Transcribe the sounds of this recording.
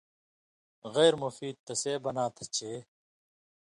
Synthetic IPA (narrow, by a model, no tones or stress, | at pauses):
ɣeːɾmufiːd̪̚t̪ɐseːbɐnaːt̪ʰɐ̥t͡ɕʰeː